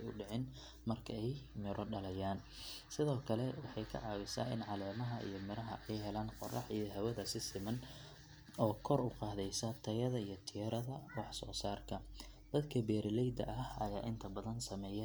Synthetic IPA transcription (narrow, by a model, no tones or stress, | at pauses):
jʊ̰ɖɪʕɪn | mɐrkʰɐɛjmɪɾʔɔɖɐlɐjaːn | sɪðɔːkʰɐlɛwɑħɑjkʰɐ̰ʕɑːɣɪsa̰ːɪ̰nʕɑlɛːmɐɦɐʔḭjɞmɪɾɐɦɐʔɛjɦɛlaːnqɔrɑħijɔɦɐwɐðɐsɪsɪmɐn | ɔːkʰɔrʊqɑːðɛjsɐt̪ʰɐjɐðɐijɞt̪ʰiɾɐðɐwɑħsɔːsaːrkʰɐ | d̪̥ɐd̪kʰɐbɛːɾɪlɛjd̪ɐ̰ʔɐhɐjaːʔɪnt̪ʰɐbɐðɐnsɐmɛːjɛ